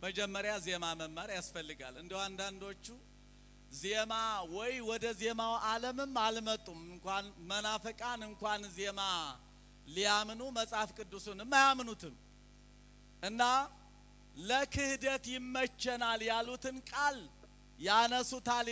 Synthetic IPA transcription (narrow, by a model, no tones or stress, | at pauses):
məd͡ʒɛmːəɾjaze̞maməmːəɾjasfəlːɨɡa̰lɨnd̪iwand̪and̪o̞t͡ʃːu | zemawɔjwɔd̪əze̞mawaləmɨmalmət̪ʼːumɨŋkʷanmənafəkʼanɨŋkʷanze̞ma | lijamnuməsʼafkʼɨd̪ːusunɨmːajamɨnut̪ʰɨm | ʔɨnːa | ləkʰɨhd̪ət̪jɪmːət͡ʃːɛnaljalːut̪ɨnkʼal | janəsut̪al